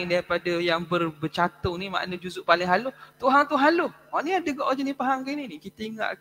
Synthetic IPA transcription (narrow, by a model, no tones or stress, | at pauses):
ŋdaɾipadajaŋbərbət͡ʃat̪ʊŋnima̰ʔnəd͡ʒuzʊʔpalɪŋɦalʊht̪uɦaŋt̪uɦalʊh | waʔniadəɡɔʔɔd͡ʒənĩpaɦaŋɡeninikit̪əiŋa̰ʔ